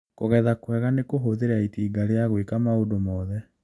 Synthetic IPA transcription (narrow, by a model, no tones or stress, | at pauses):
koɣɛðakwɛɣanekoɦoðeɾaitiːɡaɾeaɣwekamaodomɔːðɛ